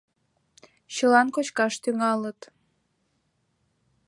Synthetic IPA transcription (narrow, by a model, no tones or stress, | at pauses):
ɕəlɑnkot͡ɕkɑʃt̪yŋɑlət̪